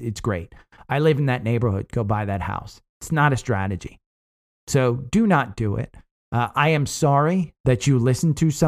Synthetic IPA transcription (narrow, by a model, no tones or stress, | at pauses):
ɨtsɡ̥ɹeɪt̚ | aɪlɪvn̩ðɨtⁿneɪbə˞hʊ̰d̚ɡ̥oʊbaɪðɨt̚ha̰ʊs | ɨtsnəɾɨstɹ̥æɾɨd͡ʒḭ | soʊdɨnət̚d̥ɨɪ̰t̚ | ʔʔaɪɨ̃msɑɹiðɨt͡ʃɨlɪsn̩tʰɨsʌ̃